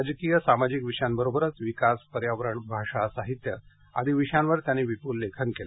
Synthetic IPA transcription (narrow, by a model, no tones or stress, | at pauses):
ad͡ʑkijəsamad͡ʑikʋiʂjambəɾobʱəɾət͡sʋikaspəɾjaʋɾəɳbʱaʂasaɦit̪jə | a̰d̪ʱiʋiʂjanʋəɾt̪janːiʋipulːekʰənkela